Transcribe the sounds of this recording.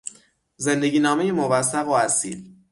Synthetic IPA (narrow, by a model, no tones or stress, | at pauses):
ze̞nd̪eɟʲiːnɒːme̞jemovæsːæɣoæsḭːl